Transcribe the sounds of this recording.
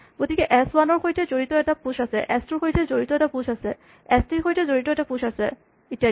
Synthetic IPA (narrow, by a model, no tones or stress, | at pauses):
ɡ̥otikɛʔɛswanɔɹxojtɛzoɹitɔɛtapuʃasɛʔɛstuɹxojtɛzoɹitɔɛtapusasɛ | ɛstiɹxojtɛzoɹitɔɛtapuʃasɛ | itia